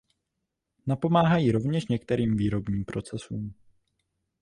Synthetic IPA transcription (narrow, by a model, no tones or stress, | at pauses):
napo̞maːɦajiɾo̞vɲɛʃɲɛk̚t̪ɛɾiːmviːɾo̞bɲiːmpɾo̞t͡sɛsuːm